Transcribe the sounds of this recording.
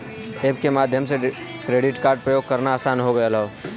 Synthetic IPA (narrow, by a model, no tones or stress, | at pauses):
eːb̚kemaːd̪ʱjəmsekɾeːɖɪʈkaːɾɖ̚pɾəjoːɡ̚kəɾnaːsaːnɦoɡəelao